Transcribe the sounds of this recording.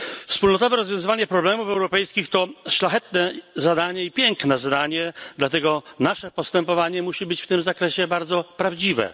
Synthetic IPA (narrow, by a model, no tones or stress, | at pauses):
fspulnɔt̪ɔvɛɾɔzvʲjɔ̃w̃zɘvaɲɛpɾɔblɛmufɛwɾɔpɛjskʲixt̪ɔʂlaxɛt̪nɛzad̪aɲɛipʲjɛŋknɛzad̪aɲɛd̪lat̪ɛɡɔnaʂɛpɔst̪ɛmpɔvaɲɛmuɕibɘt͡ɕft̪ɘmzakɾɛɕɛbaɾd̪zɔpɾavd͡ʑivɛ̰